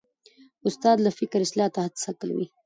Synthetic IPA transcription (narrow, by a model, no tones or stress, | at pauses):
ʊst̪ɑːd̪lafɪkɾɪslɑːt̪aɦat̪sakəlwḭ